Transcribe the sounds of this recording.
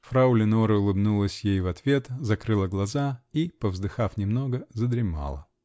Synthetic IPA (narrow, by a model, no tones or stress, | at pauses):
fɾaʊlʲɪnoɾəʊlˠɨbnulˠəsʲjejvɐt̪vʲe̞t̪zɐkɾɨlˠəɡlˠɐzaipəvzd̪ɨxafnʲɪmno̞ɡəzəd̪ɾʲɪma̰lˠə̰